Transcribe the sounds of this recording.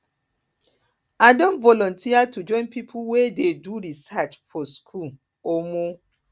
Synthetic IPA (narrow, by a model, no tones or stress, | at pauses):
adõnvɔlɔ̃ntʰiatud͡ʒɔ̃ɪ̃npipʰuwededuɾisat͡ʃfɔskʰul | omo